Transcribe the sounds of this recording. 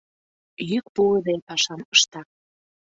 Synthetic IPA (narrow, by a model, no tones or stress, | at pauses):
jyk̚pud̪epɑʃɑmə̥ʃt̪ɑ